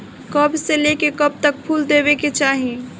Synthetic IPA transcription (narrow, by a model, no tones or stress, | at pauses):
kəbselekekɐb̚t̪ək̚pʰuːld̪eːbeket͡ʃaːɦĩ